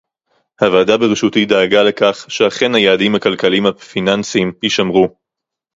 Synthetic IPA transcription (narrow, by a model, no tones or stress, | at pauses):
havaːdabeʁeʃutid̪aːɡale̞kaχʃeaχe̞nhajaːdimhakalkalimhafinansimpiʃamʁu